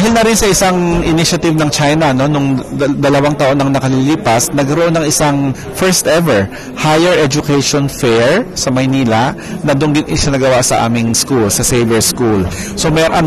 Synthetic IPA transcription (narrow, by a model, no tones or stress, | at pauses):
d̪ɦɪlnɐɾɪnsɐʔɪsaŋʔɪnɪʃɐt̪ɪbnɐŋt͡ʃajnɐno̞nʊŋd̪ɐlɐwaŋt̪aʔo̞nɐŋnɐkɐliliːpɐsnɐɡɐɾoʔo̞nɐŋʔɪsaŋ | fɛɹst̪ʔɛvɛɹ | hajɛɹɛd͡ʒʊkɛjʃonfɛɹsɐmɐjniːlaʔ | nɐd̪ʊŋɡɪnʔɪʃɐnɐɡɐwaʔsɐʔa̰ːmɪŋskulsɐsejbɛɹskulso̞mɛʔɐ